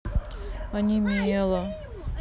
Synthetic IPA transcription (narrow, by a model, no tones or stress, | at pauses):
ɐnʲimʲelˠə